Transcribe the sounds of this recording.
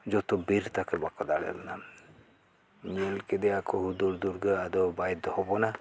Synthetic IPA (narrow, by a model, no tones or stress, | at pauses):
d͡ʒɔt̪ɔbiɾt̪akəbakɔd̪aɽɛ̰lna | ɲielked̪ɛakʰɔɦud̪uɾd̪uɾɡəad̪ɔbajd̪ɔhɔbɔna